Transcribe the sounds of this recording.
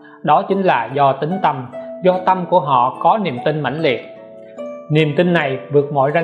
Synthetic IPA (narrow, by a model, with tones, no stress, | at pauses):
ɗɔ˨˦t͡ɕï˨˦ŋ̟laː˨˩zɔ˧t̪ï˨˦ŋt̪ə˧mzɔ˧t̪ə˧mku˧˩əɦɔ̰˧˨kɔ˨˦nḭ˨˩əmt̪ï˧nma̰˧˩jŋlḭ˨˩ət̚ | nḭ˨˩əmt̪ï˧nːa˨˩jvɨ˨˩ək̚mɔ̰˧˨jza˧